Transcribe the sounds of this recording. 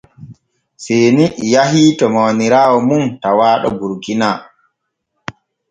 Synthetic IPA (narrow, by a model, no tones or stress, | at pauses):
senijaɦiːtɔmawniɾaːwɔmuntawaːɗɔ̰buɾɡinaː